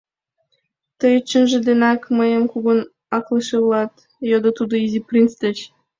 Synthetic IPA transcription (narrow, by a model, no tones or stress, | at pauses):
t̪əjt͡ɕːə̆nʒə̆d̪enɑkməjəmkuɡon | ɑklˠɤʃelˠɑt̪ | jod̪ɤ̆t̪ud̪ɤ̆izʲiprʲint͡st̪ə̆t͡ɕ